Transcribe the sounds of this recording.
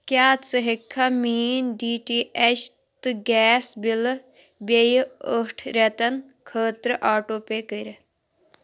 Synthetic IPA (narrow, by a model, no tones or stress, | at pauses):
kjaːt͡səɦikʰːamiːnɖiːʈiːʔeʃ | t̪ɨɡɛːsbil | bejəʈʰɾet̪ɐn | kʰəːt̪ɾəʔaːʈoːpekəɾe